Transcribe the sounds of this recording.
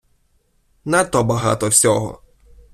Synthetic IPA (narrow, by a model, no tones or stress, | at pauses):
nat̪ɔbɐɦa̰t̪ɔwsʲɔɦɔ̰